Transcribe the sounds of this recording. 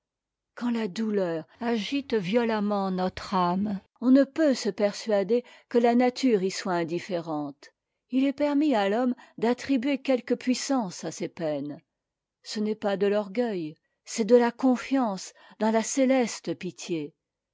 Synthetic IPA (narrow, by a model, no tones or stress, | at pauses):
kɑ̃lad̪ulœːʁaʒit̪vjɔlamɑ̃nɔt̪χam | ɔ̃nəpøsəpɛʁsɥad̪ekəlanat̪ʰyʁiswaɛ̃d̪ifeʁɑ̃t̪ | ilɛpɛʁmialɔmd̪at̪χibɥekʲɛlkəpɥisɑ̃sasepɛn | sənɛpad̪əlɔʁɡʲœj | sɛd̪əlakɔ̃fjɑ̃s | d̪ɑ̃laselɛst̪əpit̪je